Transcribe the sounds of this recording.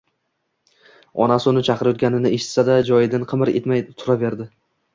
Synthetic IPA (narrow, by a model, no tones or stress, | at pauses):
ɒ̰nasʊnɪt͡ʃʰɑqɾjɒt̪ɡʲanɪnɪeʃɪ̥t̪sad̪ad͡ʒɒjɪd̪anqʰɨmɪɾet̪majt̪ʰʊɾave̞ɾd̪ɪ